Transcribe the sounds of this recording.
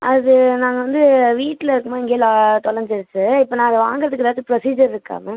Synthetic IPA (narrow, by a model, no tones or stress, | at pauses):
ɐðɯnaːŋɡɐʋɐnd̪ɯʋiːʈːɪlɐɪɾɯkːɯmoːɪŋɡeːlat̪ɔlɐɾɲd͡ʒɪɾɯt͡ʃːɯɪpːɐːnaːɐðʋaːŋɡɯɾɐðɯkːɯɾaːt̪ːɯpɾɔsiːd͡ʒɐɾɪɾɯkːa̰ːŋɐ